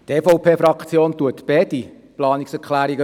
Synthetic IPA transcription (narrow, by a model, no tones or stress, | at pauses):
t̪eːfɔʊpʰeːfɾɑkt͡sjoːntuətːb̥ɛdi | plɑːniksɛɾkχlæːɾiɡə